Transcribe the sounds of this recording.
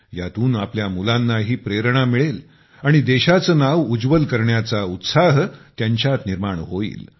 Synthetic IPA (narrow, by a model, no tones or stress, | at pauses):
jat̪uːnapljamulanːaɦiːpɾeɾɳ̃amiɭel | aɽ̃id̪eɕat͡sənaʋud͡zʋəlkəɾɳjat͡saut̪saɦt̪jaɲt͡ɕjat̪niɾmaɳɦoḭːl